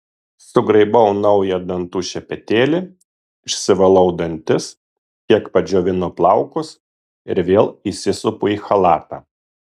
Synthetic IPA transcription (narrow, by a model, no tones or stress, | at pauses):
sʊɡɾɐɪbɔʊnɒʊjɛd̪ɐnt̪uːʃʲɛpʲɛt̪ʲeːlʲɪ | ɪʃʲsʲɪʋɐlˠɒʊd̪ɐnʲt̪ʲɪs | kʲiɛkpɐd͡ʒʲoːʋʲɪnoplˠɑˑʊkʊs | ɪ̰ɾʋʲeːlˠisʲɪsʊpʊiːxɐlˠɑːt̪ɑː